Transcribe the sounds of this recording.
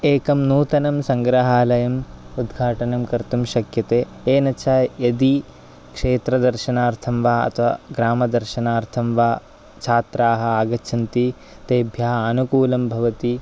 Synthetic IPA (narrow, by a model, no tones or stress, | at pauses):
eːkɐmnuːt̪ɐnɐmsɐŋɡɾɐɦaːlɐjɐmud̪ɡʱaːʈɐnɐmkɐɾt̪umʃɐkjɐt̪eː | eːnɐt͡ʃʰaːjɐd̪i | kʂeːt̪ɾɐd̪ɐɾʃɐnaːɾt̪ʰɐmʋaːɐ̰t̪ʰɐʋɐɡɾaːmɐd̪ɐɾʃɐnaːɾt̪ʰɐmʋaː | t͡ʃʰaːt̪ɾaːɦɐ̆aːɡɐt͡ʃʰɐnt̪i | t̪eːbʱjaːɦɐɐnukuːlɐmbʱɐʋɐt̪i